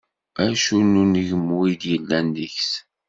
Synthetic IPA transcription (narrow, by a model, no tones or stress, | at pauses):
æʃunːunəʝəmːuid̪jəlːænːəçs